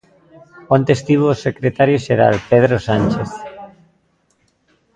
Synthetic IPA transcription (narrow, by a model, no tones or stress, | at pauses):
ont̪est̪iβosekɾet̪aɾjoʃeɾa̰lpeðɾosanʲt͡ʃeθ